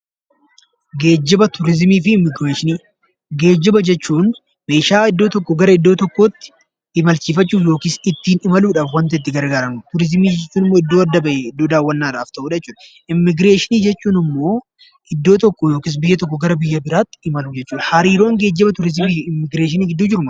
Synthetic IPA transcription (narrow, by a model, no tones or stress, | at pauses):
ɡeːd͡ʒːɪbɐt̪ʊɾɪzmiːfɪɪmːɪɡɾeːʃɪniː | ɡe̞ːd͡ʒːɪbɐd͡ʒɛt͡ʃːuːn | me̞ːʃaːɪd̪ːo̞ːt̪ɔkːɔɡɐɾɐɪd̪ːo̞ːt̪ɔkːo̞ːt̪ːɪ̥ | ɪmɐlt͡ʃiːfɐt͡ʃːuːfjo̞ːkiːsɪt̪ːiːnɪmɐluːᶑaːfwɐnt̪ɐɪt̪ːɪɡɐɾɡaːɾɐnʊt̪ʊɾɪzmiːd͡ʒɛt͡ʃːuːnɪmːoːɪd̪ːo̞ːɐd̪ːɐbɐʔeɪd̪ːoːd̪aːwːɐnːaːɾaːft̪ɐʔuːᶑɐɛt͡ʃːuːᶑɐ | ɪmːɪɡɾeːʃɪniːd͡ʒɛt͡ʃːuːnɪmːo̞ː | ɪd̪ːo̞ːt̪ɔkːojo̞ːkiːs̬bɪjːɐt̪ɔkːɔɡɐɾɐbɪjːɐbɪɾaːt̪ːɪ̥ɪmɐlʊd͡ʒɛt͡ʃːuːᶑɐhɐɾiːɾo̞ːŋɡe̞ːd͡ʒːɪbɐt̪ʊɾɪzmiːfɪmːɪɡɾeːʃ̬ɪniːɡɪd̪ːuːd͡ʒɪɾʊmɐ